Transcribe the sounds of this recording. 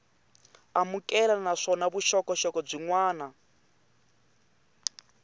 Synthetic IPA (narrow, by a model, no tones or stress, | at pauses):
amukʼɛlanaʂɔnaβuʃɔkɔʃɔkɔb͡ʐiŋwaːna